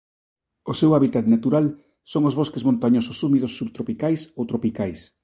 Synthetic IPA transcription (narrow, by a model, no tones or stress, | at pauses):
osewaβit̪at̪nat̪uɾal | soŋozβoskezmõnt̪aɲososumiðosːuβt̪ɾopikajsowt̪ɾopikajs